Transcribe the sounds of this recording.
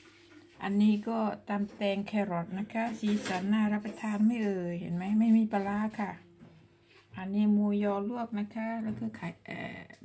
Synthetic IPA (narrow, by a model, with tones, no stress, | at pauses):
ʔa˧nːiː˦˥˩kɔː˥˩t̪aː˧mt̪ɛː˧ŋkʰɛː˧ɾɔ˨˩t̪̚na˦˥kʰa˦˥siː˨˦sa˩˦nːaː˥˩ɾa˦˥pʰːa˧t̪ʰaː˧nma˥˩jʔɤː˧jhḛ˩˦nma˦˥jma˥˩jmiː˧˥pa˧laː˧˥kʰa˥˩ | ʔa˧nːiː˦˥˩muː˧jjɔː˧lu˥˩ək̚na˦˥kʰa˦˥lɛː˦˧˩kʰɯː˧˥˩kʰa˨˩˦jʔa̰ː˧˩